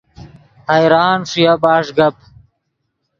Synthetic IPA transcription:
hɐjɾaːnʂijɐbaːʂɡɐp̚

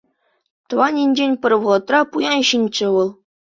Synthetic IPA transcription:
t̪ɤ̆ʋɑnʲinʲd͡ʑenʲpʲɘ̆rʲʋɤ̆lˠɤ̆t̪rɑpujɑnɕinʲt͡ɕɘ̆ʋɤ̆lˠ

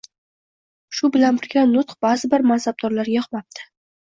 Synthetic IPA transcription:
ʃʊbɪlanbɪɾɡʲanʊt̪χb̥azɪbɪɾmansab̚d̪ɒɾlaɾɡʲaχmap̚t̪ʰɪ̥

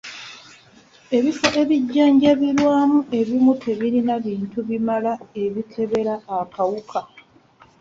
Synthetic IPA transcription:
e̞βifoʔe̞βiɟːaːɲɟaβilwaːmuʔe̞βumutʰe̞βiɾinaβiːntuβimalae̞βikʰe̞βe̞ɾaːkawukʰa

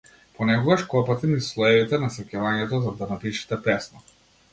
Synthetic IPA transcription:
pɔnɛkɔɡaʃkɔpat̪ɛnislˠɔɛvit̪ɛnasɛkɛvaɲɛt̪ɔzad̪anapiʃi̥t̪ɛpɛsnɔ

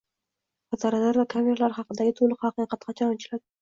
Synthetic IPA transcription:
azaɾalaɾvakʰamʲe̞ɾalaɾhɑqɨd̪aɡʲɪt̪ʰʊlˠɨqhɑqɨqɑt̪qʰɑt͡ʃʰɒɒt͡ʃʰɪlad̪ɪ

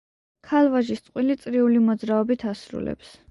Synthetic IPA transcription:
kʰalˠvaʒist̪sʼqʼwilit̪sʼɾiulimɔd̪zɾaɔbit̪ʰasɾṵlɛ̰ps

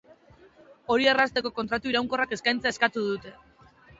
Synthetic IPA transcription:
o̞ɾierast̪e̞ko̞ko̞nt̪ɾat̪uiɾawŋko̞rake̞skajnt͡seae̞skat̪uðut̪e̞

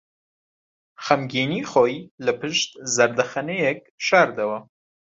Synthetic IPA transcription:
xɐmɡiniːχojlɐpʰɨʃt̪zɐɾd̪ɐxɐnejek̚ʃɑːɾd̪ɐwɐ

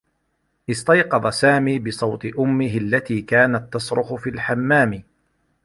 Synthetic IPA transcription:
ʔɪst̪ɑjqɑd̪ˤɑsaːmiːbɪsˤɑwt̪ˤɨʔʊmːɪɦɪalːat̪iːkaːnat̪ːɑsɾʊħʊfiːlħamːaːmɪ

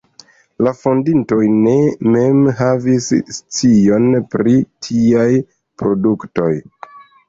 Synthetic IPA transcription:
lafondinto̞jne̞me̞mɦavisːt͡sio̞npɾitʰiaj | pɾo̞dukto̞j

